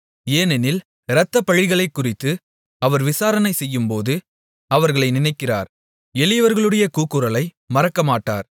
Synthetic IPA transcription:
eːnɛnɪl | ɾɐt̪ːɐpɐɻɪɣɐɭɐɪkːʊrɪt̪ːɯ | ɐʋɐɾʋɪsaːɾɐnɐɪsɛjːɯmpoːðɯ | ɐʋɐɾɣɐɭɐɪnɪnɐɪkːɪra̰ːɾ | ɛlɪjɐʋɐɾɣɐɭɯɽɐjɐkuːkːɯɾɐlɐɪ | mɐɾɐkːɐmaːʈːa̰ːɾ

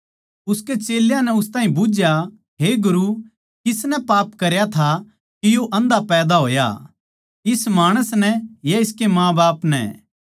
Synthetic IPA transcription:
ʊsket͡ʃeːljãnɛʊst̪ãːɦĩbʊd͡ʒja | ɦeɡʊɾu | kɪsnɛpaːpkɐɾjat̪ʰa | kijoʔɐ̃nd̪apɛːd̪aɦoːja̰ | ɪsmaːɽ̃əsnɛjaɪskemãːbaːpnɛ̰ː

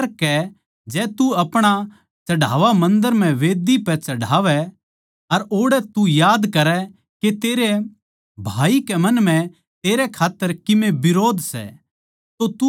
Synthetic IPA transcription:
ɾkɛ | d͡ʒɛːt̪uɐpɽ̃a | t͡ʃɐɽa̰ːʋamɐ̃nd̪əɾm̤ɛ̃ʋeːd̪ipɛt͡ʃɐɽaːʋɛ | ɐɾoːɽɛt̪ujaːd̪kɐɾɛ | ket̪eːɾe | bʱaːikɛmɐnm̤ɛ̃ | t̪eːɾɛkʰaːt̪ːəɾkɪmẽbɪɾoːd̪ʱsɛ̰ | t̪ot̪u

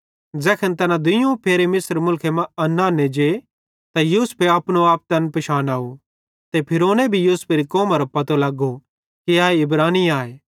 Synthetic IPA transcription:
d͡zɛːkʰənt̪ɐnad̪ʊjũpʰeːɾemɪsɾmʊlkʰemɐ̃ɐnːaːned͡ʒe | t̪ajuːspeɐpñoaːp̚t̪ɐnpɐʃaːnaːu | t̪epʰɪɾoːnebʱijuːspeːɾikɔːmaɾɐpɐt̪olɐɡo | kiaːeɪbɾaːniaːeː

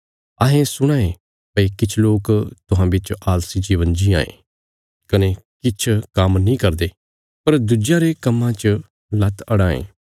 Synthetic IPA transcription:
ɐɦẽsʊɽ̃ãːẽ | pəikɪt͡ʃʰloːkt̪ʊɦãːbɪt͡ʃaːlsid͡ʒiːʋənd͡ʒiã̰ːḛ̃ː | kɐnekɪt͡ʃʰkɐmnĩkɐɾd̪eː | pɐɾd̪ʊd͡ʒjaɾekɐmːãt͡ʃ | lɐt̪ʰɐɽãːḛ̃ː

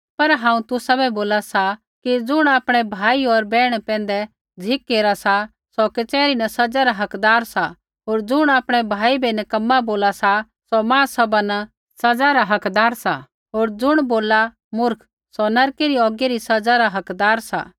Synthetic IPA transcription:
pɐɾɦãːũt̪ʊsabɛboːlasa | kid͡zʊɽ̃aːpɽ̃ɛbʱaːiɔɾbɛːɽ̃pɛ̃ːn̆d̪ɛ | d͡zʱɪkːeːɾasa | sɔkɪt͡ʃɛːɾinɐsɐd͡zaɾaɦɐkd̪aːɾsa | ɦoːɾd͡zʊɽ̃aːpɽ̃ɛbʱaːibʱɛnɛkɐmːaboːlasa | sɔmãːsɐbana | sɐd͡zaɾaɦɐkd̪aːɾsa | ɦoːɾd͡zʊɽ̃boːla | mʊɾkʰ | sɔnɐɾkeɾiɔːɡiɾisɐd͡zaɾaɦɐkd̪aːɾsa̰ː

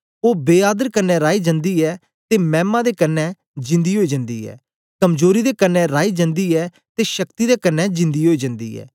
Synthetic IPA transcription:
oːbeːaːd̪əɾkənːɛ̃ːɾaːiːd͡ʒə̃nd̪iːɛː | t̪eːmɛ̃ːmãːd̪eːkənːɛː | d͡ʒɪ̃nd̪iːɦoːiːd͡ʒə̃nd̪ḭːɛ̰ː | kəmzoːɾiːd̪eːkənːɛ̃ːɾaːiːd͡ʒə̃nd̪iːɛː | t̪eːʃəkt̪iːd̪eːkənːɛːd͡ʒɪ̃nd̪iːɦoːiːd͡ʒə̃nd̪ḭːɛ̰ː

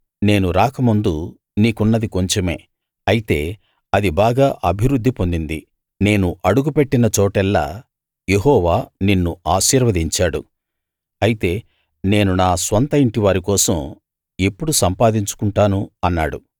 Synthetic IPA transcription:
ne̞ːnuɾaːkɐmund̪u | niːkunːɐd̪iko̞ɲt͡ʃeme̞̰ː | ɐjit̪e̞ː | ɐd̪ibaːɡaːʔɐbʱiɾud̪ʱːipo̞nd̪ind̪i | ne̞ːnuʔɐɽuɡupe̞ʈːinɐt͡ʃɔːʈɛlːa̰ː | je̞ɦɔːʋaːninːuaːʃiːɾʋɐd̪iɲt͡ʃaːɽṵ | ɐjit̪e̞ː | ne̞ːnunaːsʋɐnt̪ɐiɳʈiʋaːɾikɔːsɐm | e̞pːuɽusɐmpaːd̪iɲt͡ʃu̥kuɳʈaːnuɐnːaːɽṵ

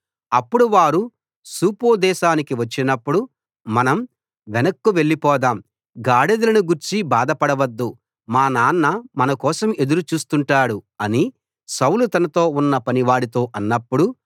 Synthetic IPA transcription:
ɐpːuɽuʋaːɾu | suːpoːd̪ɛːʃaːnikiʋɐt͡ʃːinɐpːuɽu | mɐnɐm | ʋenɐkːuʋe̞ɭːipɔːd̪aːm | ɡaːɽed̪ɐlɐnuɡuɾt͡ʃibaːd̪ɐpɐɽɐʋɐd̪ːu | maːnaːnːɐmɐnɐkɔːsɐme̞d̪uɾut͡ʃuːst̪uɳʈaːɽuɐni | sɐwlut̪ɐnɐt̪o̞ːunːɐpɐniʋaːɽit̪o̞ːʔɐnːɐpːuɽu

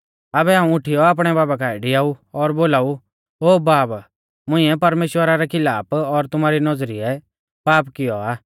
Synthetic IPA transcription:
abɛaːũʊʈʰɪjɔaːp̬ɽ̃ɛbaːbakaːɛɖɪaːuɔɾboːlaːu | oːbaːb | mʊ̃ɪ̃ɛpɐɾmeːʃwəɾaɾɛkʰɪlaːpɔɾt̪ʊmaːɾinɔd͡zɾiɛ | paːpkɪjɔaː

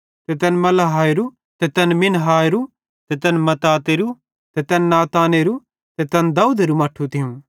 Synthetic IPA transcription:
t̪ɛt̪ɛnmɐlaɦaːeɾu | t̪ɛt̪ɛnmɪnɦaːeɾu | t̪ɛt̪ɛnmɐt̪aːt̪eːɾu | t̪ɛt̪ɛːnnaːt̪aːneɾu | t̪ɛt̪ɛnd̪aːuːd̪eɾumɐːʈʰut̪ʰɪũ

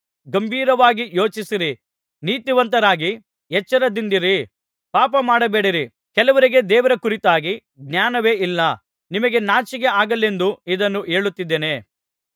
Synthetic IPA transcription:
ɡɐmbʱiːɾɐʋaːɡijo̞ːt͡ʃisiɾi | niːt̪iʋɐnt̪ɐɾaːɡi | jɛt͡ʃːɐɾɐd̪ind̪iɾi | paːpɐmaːɽɐbeːɽiɾi | kɛlɐʋɐɾiɡe̞d̪ɛːʋɐɾɐkuɾit̪aːɡi | ɡnjaːnɐʋe̞ːʔilːɐ | nimɐɡe̞naːt͡ʃiɡe̞aːɡɐlːe̞nd̪uid̪ɐnːuʔe̞ːɭut̪ːid̪ːeːne̞

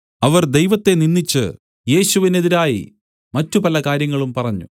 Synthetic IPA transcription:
ɐʋɐrd̪ejʋɐt̪ːe̞ninːit͡ɕːɨ | je̞ːɕuʋine̞ðiɾaːjḭ | mɐtːupɐlɐkaːɾjɐŋːɐɭumpɐrɐɲːṵ

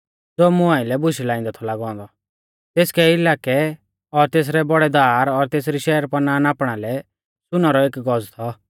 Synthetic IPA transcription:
d͡zoːmʊãːɪ̃lɛbʊʃilaːɪ̃nd̪ɔt̪ʰɔlaɡɔ̃ːnd̪ɔ | t̪eːskɛɪlaːkɛ | ɔɾt̪eːs̬ɾɛbɔɽɛd̪aːɾɔɾt̪eːs̬ɾiʃɛːəɾpɐnaːnaːpɽ̃alɛ | sʊnaɾɔeːkɡɔd͡zt̪ʰɔ

